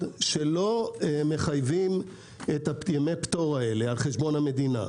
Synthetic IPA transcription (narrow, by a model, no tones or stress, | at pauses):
ʃe̞lo̞me̞χajvim | etajemepto̞ʁae̞lealχeʃbo̞nhame̞d̪ina̰